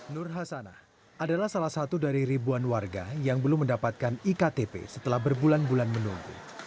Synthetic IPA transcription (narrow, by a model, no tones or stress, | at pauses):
nʊrɦasana̰h | ʔadalahsalahsat̪udaɾiɾibuanwarɡajaŋbəlʊmːəndapat̪̚kanikat̪epḛsə̥t̪əlahbərbulanbulanmənuŋɡṵ